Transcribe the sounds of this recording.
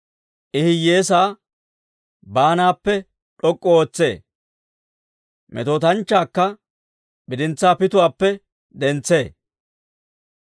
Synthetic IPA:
ʔɪhɪje̞ːsaː | baːnaːpːɛ | ᶑɔkʼːɔoːt͡sːe̞̰ː | mʔɛ̰t̪oːt̪ɐnt͡ʃːaːkːɐ | bɪd̪ɪnt͡sːaːpɪt̪ʊwaːpːɛ | d̪ɛnt͡sːe̞ː

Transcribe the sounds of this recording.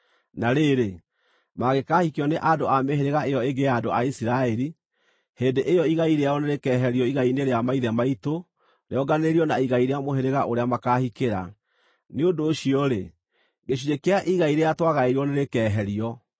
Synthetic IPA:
naɾeɾe | maɣekaːhikeɔneʔadoameɦeɾeɣaejɔeɡeadoaisiɾaɛɾi | heːndeʔejɔiɣaiɾeaɔneɾekɛːɦɛɾiɔiɣaineɾeamaiðɛmaito | ɾḛɔɡaneɾiɔnaiɣaiɾeamoɦeɾeɣaʔoɾeamakahikeɾa̰ | neondoːɕiɔɾe | ɡeɕ̬iɾekeaʔiɣaiɾeatwaɣaeɾɔneɾekɛːɦɛɾiɔ

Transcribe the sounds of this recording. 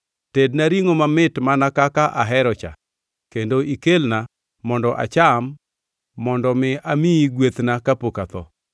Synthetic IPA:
tednaɾiŋomamɪtmanakakaʔaɦɛɾɔt͡ʃa̰ | kendoʔikelna | mɔndɔʔa̰t͡ʃamː | ɔndɔmɪamiiɡwet̪nakapokat̪ɔ̰

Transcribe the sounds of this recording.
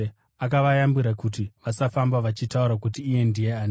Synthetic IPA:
akaʋajambiɾakutiʋasafambaʋat͡ʃitauɾakutiːje̞ndije̞an

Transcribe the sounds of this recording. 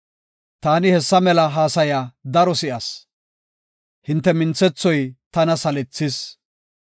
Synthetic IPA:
t̪aːnɪhɛsːɐmɛlɐɦaːsɐjaːd̪ɐɾɔsɪʔɐs | hɪnt̪ːɛmɪnt͡sːɛt͡sːɔjt̪ɐnɐsɐlɛt͡sːɪs

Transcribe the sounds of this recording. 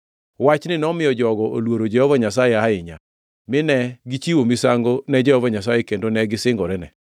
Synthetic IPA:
wat͡ʃnɪnɛɔmɪjɔd͡ʒɔɡɔʔo̰lwoɾod͡ʒɛhɔvaɲas̬ajeaɪɲa̰ | mɪnɛɡit͡ʃiwomisaŋɡonɛd͡ʒɛhɔvaɲas̬ajekendonɛɡɪsɪŋɡɔɾɛnɛ

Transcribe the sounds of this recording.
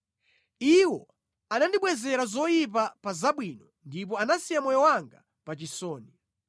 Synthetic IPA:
iwɔ | anandiɓwɛzɛɾazɔjip̬apazaɓwiːnɔ | ndip̬ɔanasijamɔjɔwaŋɡa | pat͡ʃisɔːni

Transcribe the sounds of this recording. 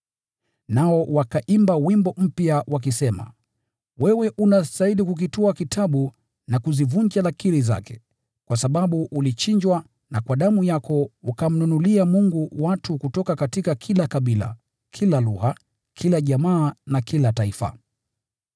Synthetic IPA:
naɔwakaʔimbawimbɔm̩pjawak̬isɛma̰ | wɛwɛʔunastailikuk̬ituakitʰaɓu | nakuzivuɲd͡ʒalakiɾiza̰kɛ̥ | kwasaɓaɓuʔulit͡ʃiɲd͡ʒwa | nakwaɗamujakʰɔukam̩nunuliamuŋɡuwatukutɔkakatikakʰilakaɓila̰ | kʰilaluha | kʰilaʄamaːnakʰilataifa̰

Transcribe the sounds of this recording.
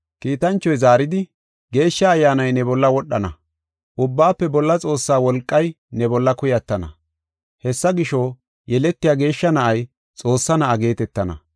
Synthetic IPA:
kiːt̪ɐnt͡ʃːɔjzaːɾɪd̪ɪ | ɡe̞ːʃːɐːjːaːnɐjnɛbɔlːɐwɔɗːɐnɐ̰ | ʔʊbːaːpːɛbɔlːɐt͡sʼo̞ːsːaːwɔlkʼːɐj | nɛbɔlːɐkʊjɐt̪ːɐnɐ̰ | hɛsːɐɡɪʃoː | jɛlɛt̪ːɪjaːɡe̞ːʃːɐnɐʔɐj | t͡sʼo̞ːsːɐnɐʔɐɡe̞ːt̪ɛt̪ːɐnɐ̰

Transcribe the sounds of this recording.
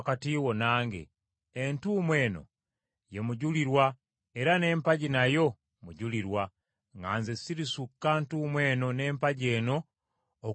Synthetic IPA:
katiwonaːŋɡḛː | ntuːmwe̞ːno̞̰ | je̞muɟuliɾwa | eɾane̞ːmpaɟinajo̞ | muɟuliɾwa | ŋɡa̰ːnzesiɾisukːantuːmweːno̞ne̞ːmpaɟe̞ːno̞ː

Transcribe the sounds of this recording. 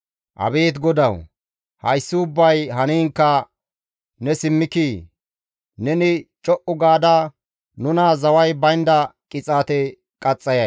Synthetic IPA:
ʔɐ̰beːt̪ɡɔd̪ɐw | hɐjsːɪʊbːɐjɦɐniːŋkːɐ | nɛsɪmːɪkiː | nɛnɪt͡ʃʼɔʔʊɡaːd̪a | nʊnaːzɐwɐjbɐjnd̪ɐkʼɪt͡sʼaːt̪ɛ | kʼɐt͡sʼːɐjɐ

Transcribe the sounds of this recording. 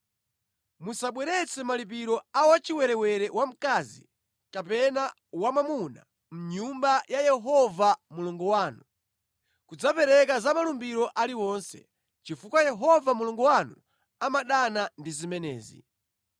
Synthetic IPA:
musaɓwɛɾɛt͡sʰɛmalip̬iɾɔawat͡ʃiwɛɾɛwɛɾɛwam̩kazḭ | kapɛna | wamamuna̰ | m̩ɲumbajajɛɦɔvamuluŋɡɔwaːnu | kud͡zapɛɾɛkazamalumbiɾɔʔaliwɔnsɛ̰ | t͡ʃifukwajɛɦɔvamuluŋɡɔwanu | amaɗanandizimɛnɛ̰ːzḭ

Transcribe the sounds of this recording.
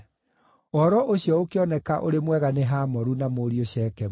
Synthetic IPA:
ɔɾɔʔoɕjɔokeɔnɛkaʔoɾemwɛɣaneɦaːmɔɾunamoːɾioɕɛːkɛ

